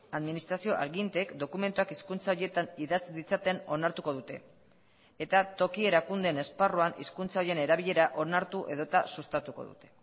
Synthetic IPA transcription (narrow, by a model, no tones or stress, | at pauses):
aðminist̪ɾasio̞ʔa̰ðɣint̪e̞kd̪o̞kume̞nt̪uakiskunt͡saoɾje̞t̪aniðat͡siðit͡sat̪e̞no̞naɾt̪uko̞ð̞ut̪e̞̰ː | t̪at̪o̞kie̞ɾakund̪e̞ne̞sparuanḭskunt͡saoɾiene̞ɾaβ̞iʎe̞ɾaʔo̞naɾt̪uʔe̞ðo̞t̪asust̪at̪uko̞̰ðṵt̪e̞̥